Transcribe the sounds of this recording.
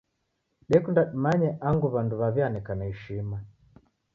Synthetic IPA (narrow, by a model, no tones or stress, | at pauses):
ɗɛkundaɗimaɲɛʔaŋɡuβanduβaβjanɛkanaiʃima